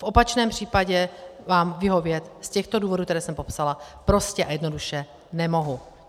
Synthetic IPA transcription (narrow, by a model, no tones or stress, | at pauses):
fʔopat͡ʃnɛːmpr̝̥iːpaɟɛvaːmvɪɦo̞vjɛt̪scɛxt̪o̞duːvo̞dukt̪ɛɾɛːsɛmpo̞psalapɾo̞scɛʔajɛdno̞duʃɛ | nɛmo̞ɦu